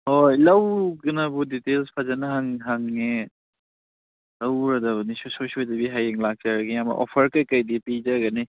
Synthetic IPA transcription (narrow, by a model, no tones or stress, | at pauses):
hojlɐwɡɯnɐbuditelspʰazanɐɦaŋɦaŋːe | lɐwɾɐdɐbɐnisososodibiɦajiŋlak̚t͡ʃaɾɐɡijamɐ̰ʔɔ̰pʰɐɾkɐjkɐjdipid͡ʒaɡɐni